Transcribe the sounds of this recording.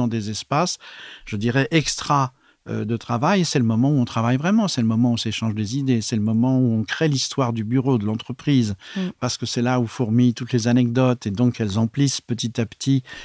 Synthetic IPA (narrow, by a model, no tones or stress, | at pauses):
ɑ̃d̪ezɛspasʒ̥əd̪iʁɛʔɛkst̪χa | ø̰d̪ət̪χavajesɛləmɔmɑ̃uɔ̃t̪χavajvʁɛmɑ̃sɛləmɔmɑ̃useʃɑ̃ʒd̪ezid̪esɛləmɔmɑ̃uɔ̃kχelist̪waʁd̪ybyʁod̪əlɑ̃t̪χəpχizpaʁsə̥kəsɛlaufuʁmit̪ut̪lezanɛk̚d̪ɔt̪ed̪ɔ̃kɛlzɑ̃plispət̪it̪apt̪ʰi